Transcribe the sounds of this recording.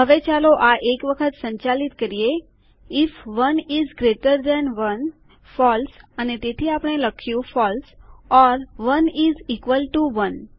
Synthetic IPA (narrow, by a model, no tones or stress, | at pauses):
ɦəʋet͡ɕaloʔaʔekʋəkʰət̪sə̃ɲt͡ɕalit̪kəɾije | ifʋənizɡɾeʈəɾd̪ɛ̃nʋən | fɔlsanit̪et̪ʰiapɳ̃eləkʰjufɔlsɔɾʋənizikʋəlʈuʋən